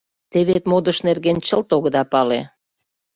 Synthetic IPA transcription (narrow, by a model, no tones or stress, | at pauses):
t̪eβet̪mod̪əʃnerɣent͡ɕəlt̪oɣə̆d̪ɑpɑlḛ